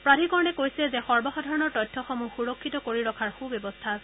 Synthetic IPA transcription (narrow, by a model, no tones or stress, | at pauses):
pɹadʱikɔɹɔnɛkojsɛzɛxɔɹbɔxɔdʱɔɹɔnɔɹtɔjtʰːɔxɔmuxuɹɔkʰːitɔkoɹiɹɔkʰaɹxubebɔstʰasɛ